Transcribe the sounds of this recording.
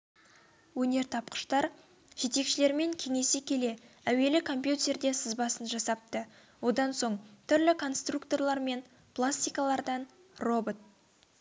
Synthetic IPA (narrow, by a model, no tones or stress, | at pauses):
wɵne̞ɾt̪ʰɑpqə̥ʃt̪ɑɾ | ʒ̥e̞t̪e̞kʃɪle̞ɾme̞ŋkʲʰe̞ŋe̞sekʲʰe̞le̞ | æwe̞lɪkʰo̞mpjut̪ʲe̞ɾd̪e̞səzbɑsənʒɑsɑp̚t̪ə | wo̞d̪ɑnso̞ɴt̪ʰʏɾlɪkʰo̞nst̪rukt̪o̞rlˠɑɾme̞n | plˠasʲt̪ijkalˠɑɾd̪ɑn | ro̞bot̪̚